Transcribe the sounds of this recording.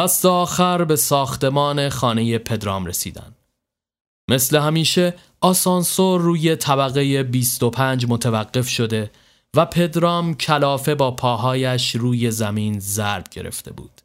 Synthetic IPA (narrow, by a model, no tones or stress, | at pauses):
d̥æst̪eɒːxæɾbe̞sɒːxt̪e̞mɒːne̞xɒːne̞je̞pʰe̞d̪ɾɒːmɾesḭːd̪æ̰n | me̞sle̞ɦæmiːʃe̞ | ɒsɒnsoːuːje̞t̪ʰæbæɣe̞je̞biːst̪o̞pʰænd͡ʒmot̪ʰævæɣːe̞fʃo̞d̪e̞ | væpʰe̞d̪ɾɒːmcʰælɒːfe̞bɒːpʰɒːɦɒːjæʃɾuːje̞zæmiːnzæɾb̥̚ɟe̞ɾʔḛft̪ʰe̞̰bṵːd̪̥